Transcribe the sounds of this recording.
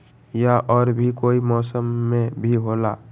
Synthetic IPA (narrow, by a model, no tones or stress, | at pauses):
jaʔɔːɾbʱikoːimɔːsəmːẽbʱiɦoːlaː